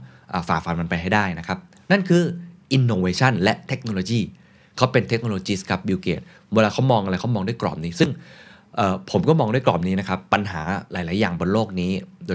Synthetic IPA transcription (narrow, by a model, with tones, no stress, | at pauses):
ʔaː˨˩faː˨˩k̚fa˧nma˧npa˧jɦa˥˩jdaː˥˩jna˦˥kʰa˦˥p̚ | na˥˩nkʰɯː˧ʔi˧nːoː˧weː˧t͡ɕʰa˥˩nlɛ˦˥ʔt̪ʰe˦˥k̚noː˧loː˧jiː˥˩ | kʰa˦˥wpe˧nt̪ʰe˦˥k̚noː˧oː˧t͡ɕi˦˥skʰa˦˥p̚biː˧wkḛː˨˩t̪̚ | we˧laː˧˩kʰa˦˥wmɔː˧ŋʔa˧ɾa˧jkʰa˦˥wmɔː˧ŋdu˥˩˨jklɔ̰ː˨˩m̚niː˦˥sɯ˥˩ŋ | ʔəː˨˩pʰo˩˦mkɔː˥˩mɔː˧ŋdu˥˩jklɔː˨˩m̚niː˦˥na˦˥kʰa˦˥pːa˧nɦaː˩˦laː˩˦jlaː˨˩˦jːaː˨˩ŋbo˧nloː˥˩k̚niː˦˥doː˧